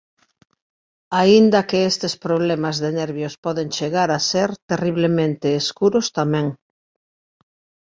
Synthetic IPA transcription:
aind̪ɐkeest̪espɾoβlemazðenɛɾβjospɔðeŋt͡ʃeɣaɾaseɾt̪eriβ̞lemẽnt̪eːskuɾʊst̪amɛ̃ŋ

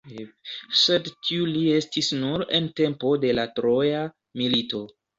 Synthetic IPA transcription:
sedtiulie̞stisnuɾe̞̰nte̞mpo̞de̞latɾo̞ja | milito̞

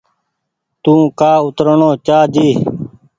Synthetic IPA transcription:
t̪ũːkaːʊt̪ɾəɳoːt͡ʃaːd͡ʒiː

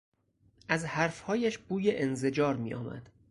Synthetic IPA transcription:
ʔæzhæɾfhɒːjæʃb̥uːjeʔenzed͡ʒɒːɾmḭːjʔɒ̰ːmæ̰d̪̥

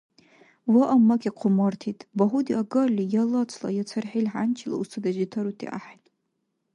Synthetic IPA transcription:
waʔamakʲaqʷʰʊmartʰitʼbaɦudiaɡalʲijalat͡sʷʰla̰jat͡sʰarħilħant͡ʃʰila̰usʰɨdaʒitʰaɾutʰʼḭʔa̰ħajtʼ

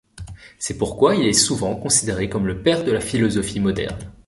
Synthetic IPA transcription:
sɛpuʁkwailɛsuvɑ̃kɔ̃sid̪eʁekɔmləpɛʁd̪əlafilɔzɔfimɔd̪ɛ̰ʁn

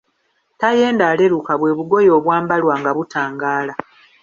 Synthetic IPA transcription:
taje̞ːndaːle̞ɾukaβwe̞ːβuɡo̞jo̞ːβwaːmbalwaːŋɡaβutaːŋɡaːla

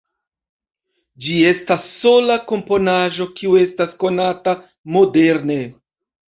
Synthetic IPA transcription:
d͡ʒie̞stasːo̞lako̞mpo̞naʒo̞kiue̞stasko̞nata | mo̞de̞ɾne̞

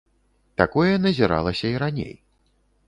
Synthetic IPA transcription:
t̪akɔjɛnɐzʲiɾa̰lˠɐsʲɐiɾanʲḛj

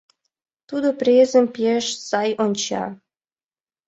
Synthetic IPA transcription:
t̪ud̪oprʲezəmpeʃsɑjonʲt͡ɕɑ̰

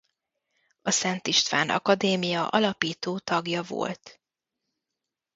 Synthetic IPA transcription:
ɒsɛnt̪iʃt̪ʋa̰ːnɒ̰kɒd̪eːmijɒʔɒlɒpiːt̪oːt̪ɒɡjɒvo̰lt̪

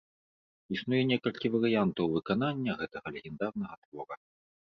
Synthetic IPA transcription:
isnujɛnʲɛkɐlʲkʲivɐɾɨjant̪ɐwvɨkananʲːɐɣɛt̪ɐɣɐlʲɛɣʲɛnd̪arnɐɣɐt̪vɔɾɐ

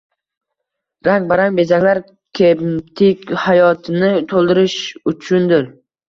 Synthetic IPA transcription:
ɾaŋɡ̚baɾaŋbe̞zakʲlaɾ | kʲʰet̪ʰɪkʲhajɒt̪ʰɪnɪt̪ʰolˠd̪ɪɾɪʃʊt͡ʃʰʊnd̪ɪɾ

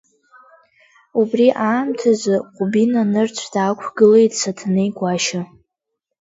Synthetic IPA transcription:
ubriʔaːmtʰazɨqʷʼʊbinanɨrt͡sʷʰd̥aːkʷʰɡɨle̞jtʼsatʰnejɡʷʼaʃa

